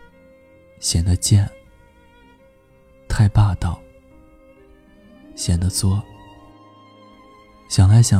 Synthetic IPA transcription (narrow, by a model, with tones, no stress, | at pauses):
ɕjɛ˨˩nd̪ə˦t͡ɕjɛ˥˩n | t̪ʰa˥˧ɪpa˥˧t̪ɑ˥˩ʊ | ɕjɛ˨˩nd̪ə˦t͡swɔ˥˩ | ɕjɑ˨˩ŋla˧˥ɪɕjɑ˨˩